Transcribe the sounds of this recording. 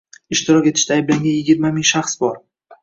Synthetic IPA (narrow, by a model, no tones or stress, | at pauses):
ɪʃt̪ɪɾɒkʲet̪ʰɪ̥ʃt̪ʰaːjblaŋɡʲanjɪɡʲɪɾmamɪŋʃaχsbɒɾ